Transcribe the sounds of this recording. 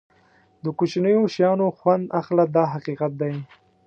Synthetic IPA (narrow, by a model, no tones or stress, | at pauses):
d̪əkot͡ʃnəjoʃjɑnoxwand̪ʔaxlad̪ɑɦaqiqat̪̚d̪aj